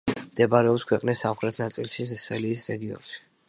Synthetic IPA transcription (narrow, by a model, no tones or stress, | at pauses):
md̪̥ɛbaɾɛɔpskʰwɛqʼnisːamχɾɛt̪ʰnat̪sʼilˠʃisɛsɛliːsɾɛɡiɔ̰nʃi̥